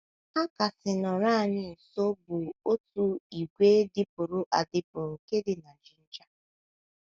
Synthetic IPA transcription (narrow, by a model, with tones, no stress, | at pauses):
a˦ka˨sɪ˨nɔ˨ɾa˦˨ɲɪ˦˨so˦bʊ˨o˦tu˦i˨ɡʷeː˦dɪ˦pʊ˨ɾʊ˦ʔa˨dɪ˦pʊ˨ɾʊ˨ke˦dɪ˨na˨d͡ʒɪ˨n̩˦d͡ʒa˦